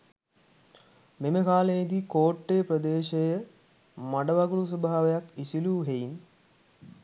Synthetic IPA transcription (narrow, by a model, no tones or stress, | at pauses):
meməkaːlejid̪ikoːʈːejprəd̪eːʃejə | maɖəʋaɡuɾus̬obʱaːʋejakisiluːɦejin